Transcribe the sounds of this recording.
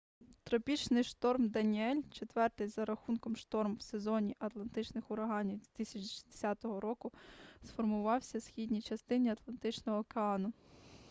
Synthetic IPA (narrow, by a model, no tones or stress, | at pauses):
t̪ɾɔpʲit͡ʃnɪjʃt̪ɔrmd̪ɐnʲiɛlʲt͡ʃet̪ʋɛrt̪ɪjzɐɾɐxunkɔmʃt̪ɔrmwse̞zɔnʲiʔɐt̪lˠɐnt̪ɪt͡ʃnɪxʊɾɐɦɑnʲiwd̪ʋʲit̪ɪsʲɐt͡ʃʃi̥d̪e̥sʲɑt̪ɔɦɔɾɔkʊsfɔrmʊʋɑwsʲɐsxʲidʲnʲit͡ʃɐst̪ɪnʲiɐt̪lˠɐnt̪ɪt͡ʃnɔɦɔːkeɑnʊ